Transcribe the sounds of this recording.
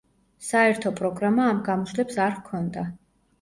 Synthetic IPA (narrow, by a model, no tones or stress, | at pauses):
saɛɾt̪ʰɔpʼɾɔɡɾamaːmɡamɔʃlɛpsaɾkʰɔnd̪a